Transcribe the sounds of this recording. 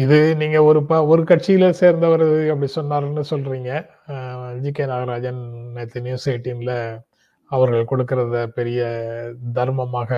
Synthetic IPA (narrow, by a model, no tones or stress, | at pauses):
ɪðɯniːŋɡɐɔɾɯpɐɔɾɯkɐʈ̚t͡ʃɪjɪlɐseːɾnd̪ɐʋɐɾɐðɯɛp̬ːɐɽisɔnːaːɾnːɯsɔlːɾiːŋɡɐ | ɐnd͡ʒɪkːeːnaːɣɐɾaːd͡ʒɐnnɐt̪ːɪnɪjʊseːʈːimɪlɐ | ɐʋɐɾɣɐɭkɔɽɯkːɪɾɐðɐpɛɾɪjɐd̪ɐɾmɐmaːɣɐ